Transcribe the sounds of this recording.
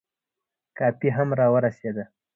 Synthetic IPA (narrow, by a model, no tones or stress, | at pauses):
kɑpiɦamɾɑwəɾased̪a